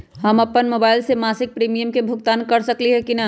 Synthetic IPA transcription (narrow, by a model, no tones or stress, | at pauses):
ɦɐmɐpənmoːbaːɪlsemaːsɪk̚pɾiːmijəmkebʱʊɡt̪aːnkɐɾsɐkliɦɛkinɐ